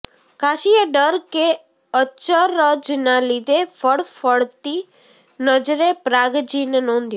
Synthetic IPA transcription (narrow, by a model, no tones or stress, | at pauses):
kaʃijəɖəɾke | əːt͡ʃəɾəd͡ʒnalid̪efəɭfəɭt̪i | nəd͡ʒɾepɾaɡd͡ʒinenɔ̃nd̪ju